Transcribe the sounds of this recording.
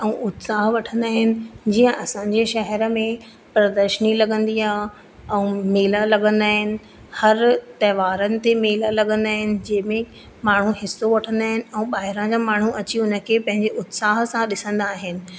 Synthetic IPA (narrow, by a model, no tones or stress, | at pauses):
ɛ̃ʊt̪saːɦʋɐʈʰə̃nd̪aːɦɪnɪ̆d͡ʑiːə̃ʔɐsãɲd͡ʑeʃɐɦɛɾə̆mẽ | pɾɐd̪əɾʃənilɐɠə̃nd̪iaːɦ | ɛ̃ːmeːləlɐɠə̃nd̪aːɦɪnɪ̆ | hɐɾt̪ɐɦːʋaːɾənɪ̆t̪emeːləlɐɠə̃nd̪aːɦɪnɪ̆d͡ʑɐ̃ːɪmẽ | maːɳ̤uɦɪsːoʋɐʈʰə̃nd̪aːɦɪnɪ̆ɛ̃ũːɓaːɦɪɾãd͡ʑãːmaːɳ̤uʔɐt͡ɕiʊnə̆kʰepɐ̃ɦɪ̃ɲd͡ʑeʔʊt̪saːɦsãɗɪsə̃nd̪aːɦɪnɪ̆